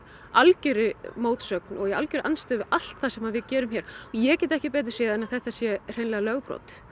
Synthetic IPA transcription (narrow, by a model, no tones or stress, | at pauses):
alcʏɾɪmoːwt̪sœk̚nɔ̰ɣjɛalcʏɾɪʔanst̪ʏvɪʔal̥t̪θasɛmaðvɪðcɛːɾʏmçjɛːɾ̥ɔjɛcɛːt̪ɛhcɪp̬ɛːt̪̬ɾɪ̥sɛːɛnaðθɛht̪asjɛr̥ejnlɛɣalœɣpɾo̰wt̪